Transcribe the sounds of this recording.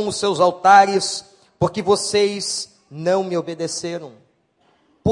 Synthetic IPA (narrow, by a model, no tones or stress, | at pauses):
w̃ʊsːewzawt̪aɾɪs | poɾkɪvosejz | nɐ̃w̃mɪobed̪eseɾɐ̃w̃ | p